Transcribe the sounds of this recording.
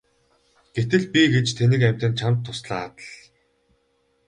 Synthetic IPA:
ɡ̥et̪ɘ̆ɮpʲiɡet͡ɕt̪ʰenɘ̆kæm̥ʲt̪ɘ̆nt͡ɕʰamt̪ʰːʊsɮaːt̪ə̆ɮ

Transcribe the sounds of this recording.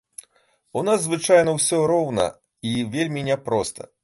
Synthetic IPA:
unazzvɨt͡ʂajnɐwsʲɔɾɔwnɐ̰ | ivʲelʲmʲinʲɛpɾɔst̪ʰɐ̰

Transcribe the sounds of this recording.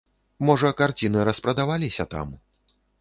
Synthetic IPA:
mɔʐɐkart͡sʲinɨɾɐspɾɐd̪avalʲisʲɐt̪a̰m

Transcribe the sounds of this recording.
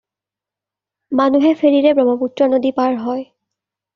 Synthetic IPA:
manuɦɛfʰeɹiɹɛbɹɔmɔputɹɔnodipaɹɦɔj

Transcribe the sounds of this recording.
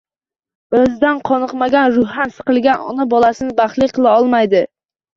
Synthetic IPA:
ɵzd̪anqʰɒnɨqmaɡʲanɾʊhansɨ̥qɨlˠɡʲanɒ̰nabɒlasɪnɪbaχlɪqʰɨlˠaɒlˠmajd̪ɪ

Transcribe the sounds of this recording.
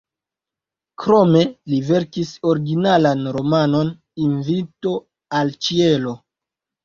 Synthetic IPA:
kɾo̞me̞live̞ɾkiso̞ɾiɡinalanɾo̞mano̞n | invito̞ | alt͡ʃielo̞

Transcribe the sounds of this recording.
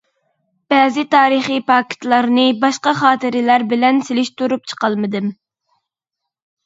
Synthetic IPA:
b̥ɛːzɪt̪ʰɑːɾɨχipʰɑkʰʲɪ̥t̪lˠɑɾnɨbɑʃqɑχɑːt̪ʰɨɾɪlæɾbɪlɛnselɪʃt̪uɾup̚t͡ʃʰə̥qɑlˠmɨd̪ɨm

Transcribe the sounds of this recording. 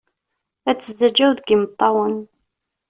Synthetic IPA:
æt͡sːəzæd͡ʒæwðɡimət̪ˤːɑwən

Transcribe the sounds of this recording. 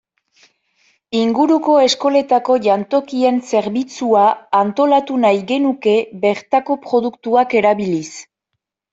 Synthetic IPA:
iŋɡuɾuko̞e̞sko̞le̞t̪ako̞ʝant̪o̞kie̞nse̞ɾβit͡suaːnt̪o̞lat̪unajɣe̞nuke̞βe̞ɾt̪ako̞pɾo̞ðukt̪uake̞ɾaβilis

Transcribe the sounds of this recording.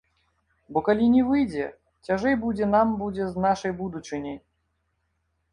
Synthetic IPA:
bɔkalʲinʲɛvɨjd͡zʲɛ | t͡sʲaʐɛjbud͡zʲɛnambud͡zʲɛznaʂɐjbud̪ut͡ʂɨnʲɛj

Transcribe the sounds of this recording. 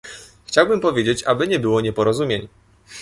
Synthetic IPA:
xt͡ɕawbɘmpɔvʲjed͡ʑet͡ɕabɘɲɛbɘwɔɲɛpɔɾɔzumʲjeɲ

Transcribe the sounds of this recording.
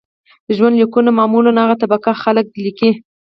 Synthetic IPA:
d̪̥əʒwand̪likunamɑmulanaɣat̪abakaxalək̚liki

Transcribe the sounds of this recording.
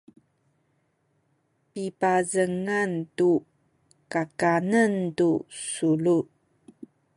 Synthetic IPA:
pipazəŋantu | kakanəntusulu

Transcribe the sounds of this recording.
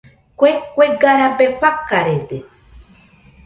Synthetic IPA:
kʷekʷeɡaɾabekʷakːaɾed̪e

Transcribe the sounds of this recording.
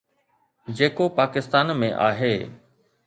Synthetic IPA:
d͡ʑeːkopaːkɪst̪aːnmẽʔaːɦeː

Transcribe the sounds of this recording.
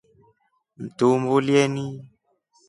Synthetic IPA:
m̩tumbuljɛni

